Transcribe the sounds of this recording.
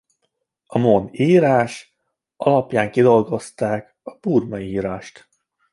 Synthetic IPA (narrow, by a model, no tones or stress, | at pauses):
ɒmoːniːɾaːʃ | ʔɒlɒpjaːŋkid̪o̞lɡo̞st̪aːk | ɒpuːrmɒiiːɾaːʃt̪